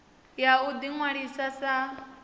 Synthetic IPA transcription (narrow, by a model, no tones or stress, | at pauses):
jaud̪iŋwaɺisasa